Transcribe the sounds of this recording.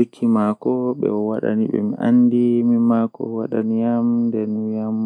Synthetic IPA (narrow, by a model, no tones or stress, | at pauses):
kʰːimakɔɓɛ̰ɔwaɗa̰niɓɛ̰miʔanːdimimakɔ̰waɗanijamdɛnjam